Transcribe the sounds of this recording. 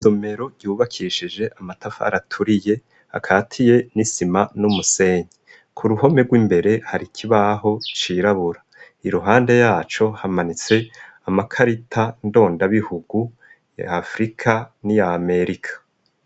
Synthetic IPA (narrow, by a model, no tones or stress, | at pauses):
zome̞ɾo̞ɟuːβakʰiʃid͡ʒe̞ʔamatafa̰ːɾatʰuɾije̞ | ha̰kʰaːtʰije̞nisimanumuse̞ːɲe | kʰuɾuho̞me̞ɡwiːmbe̞ɾe̞haɾikʰiβaɦo̞t͡ʃiɾaβuɾa | iɾuɦaːnde̞jaːt͡ʃo̞hamanit͡se̞amakʰaɾitʰando̞ːndaβihuɡu | ja̰ːfɾikʰanijaːme̞ɾikʰḁ